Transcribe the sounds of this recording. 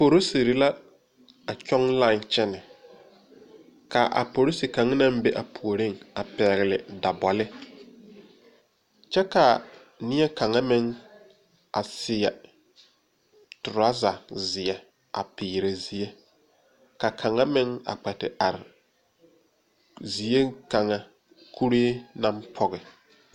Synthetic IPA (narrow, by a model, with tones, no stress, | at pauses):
po˨ɾo˦se˨ɾɪ˦la˦ | a˨t͡ʃɔ˦ŋla˦˨nt͡ʃɛ˦nɪ˨ | ka˨ʔa̰˨po˨ɾo˦si˨ka˨ŋ˦na˦m˦be˦ʔa˨pʰu˨o˨ɾɪ˦ŋa˨pɛ˨ɣɪ˨lɪ˨da˨bɔ˨lɪ˦ | t͡ʃɛ˦ka˨ | nɪ˦ɛ˦ka˨ŋa˦mɪ˦ŋ | a̰˨sɪ˨ɛ˨ | tʊ˨ɾa˦za˨zɪ˨ɛ˨ | a̰˨pɪː˨ɾe˨zi˦e˦ | ka˨kʰa˨ŋa˦mɪ˦ŋa̰˨k͡pɛ˨tɪ˨a˨ɾɪ˨ | zi˨e˦ka˨ŋa˦ | kʰu˦ɾeː˦na˦mpʰɔ˦ɣɪ˨